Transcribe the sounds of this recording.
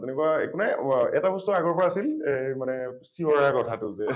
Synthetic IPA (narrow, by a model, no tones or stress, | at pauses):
tɛnɛkuaḛkunaɛtabɔstɔaɡɔɹpɔɹaːsilemanɛsiɔɹaakɔtʰatʊzɛ